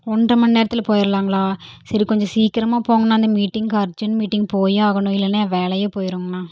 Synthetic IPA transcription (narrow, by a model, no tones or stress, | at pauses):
ɔɳdrɐmɐnneːɾɐt̪ːɪlɐpoːjɪɾɐlaːŋɡɐɭaːsɐɾikɔɲd͡ʒɔ̃siːkɪɾɐmaːpoːŋɡɐnãːɪnd̪ɐmiːʈːɪŋɡkɐɾt͡ʃːʊnmiːʈːɪŋɡpoːjaːɣɐɳʊ̃ɪlːɐneʋeːlɐjeːpoːjɪɾoːŋɡɐnaː